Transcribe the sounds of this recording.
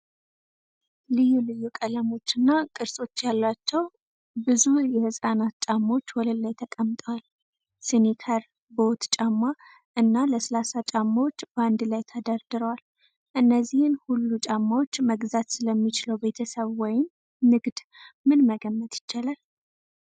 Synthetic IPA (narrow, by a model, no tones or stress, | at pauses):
lɨjːulɨjːukʼələmo̞t͡ʃːɨnːakʼɨɾsʼo̞t͡ʃːjalːat͡ʃːɛw | bɨzujɛhɨsʼanat̪t͡ʃʼamːawo̞t͡ʃːwɔləlːajt̪ʰəkʼəmt̪ʼəwal | sɨnikʰəɾ | bot̪t͡ʃʼamːa | ʔɨnːaləsəlasat͡ʃʼamːawot͡ʃːbəand̪lajt̪ʰəd̪aɾd̪ɨɾəwal | ʔɨnːəzːihɨnhulːut͡ʃʼamːawo̞t͡ʃːməɡzat̪sɨləmːit͡ʃɪləwbe̞t̪ʰəsəβwɔjɪm | nɨɡd̪ | mɨnməɡəmːət̪jɪt͡ʃːalal